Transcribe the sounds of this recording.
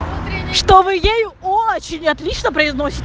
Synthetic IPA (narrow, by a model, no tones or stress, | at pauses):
ʂt̪ovɨjejʊoɐt͡ɕɪnʲɐt̪lʲit͡ɕnəpɾəɪzno̞sʲɪtʲ